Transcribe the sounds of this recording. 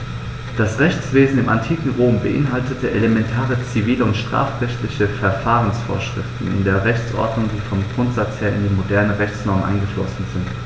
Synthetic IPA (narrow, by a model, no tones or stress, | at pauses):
d̥asʁɛçt͡sv̥eːzn̩ɪmantʰiːkŋ̩ʁoːmbəʔɪ̰nɦaltətʰəʔelemɛntʰaːʁət͡siviːləʊntʃtʁ̥a̰ːfʁɛçtlɪçəfɛɐfaːʁ̞ənsfo̰ːɐʃʁ̥ɪ̰ftn̩ɪ̰ndeːɐʁɛçt͡sʔɔ̰ɐdnʊŋdiːfɔmɡʁʊntz̥at͡sheːɐɪ̰ndeːnmodɛɐnəʁɛçt͡snɔɐmnʔa̰ɪnɡəʃlɔ̰sn̩zɪnt